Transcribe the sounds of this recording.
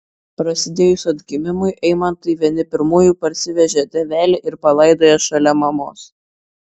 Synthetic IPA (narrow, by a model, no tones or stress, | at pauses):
pɾɐsʲɪd̪ʲeːjʊsʊɐd̪ʲɡʲɪmʲɪmʊɪʔɛɪmɐnt̪ɐɪʋʲiɛnʲɪpʲɪɾmuːjuːˑpɐɾʲsʲɪʋʲɛʒʲɛt̪ʲɛʋʲæːlʲɪʔɪɾpɐlˠɐɪd̪oːjɛʃɐlʲɛmɐmo̰ːs